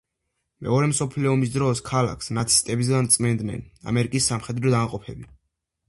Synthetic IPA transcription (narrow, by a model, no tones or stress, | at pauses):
mɛ̰ɔɾɛmsɔpʰlɛɔmis̬d̪ɾɔskʰala̰kʰsnat̪sʰi̥st̪ʼɛbis̬ɡant̪sʼmɛnd̪nɛ̰na̰mɛɾikʼisːamχɛd̪ɾɔd̪amqʼɔpʰɛbi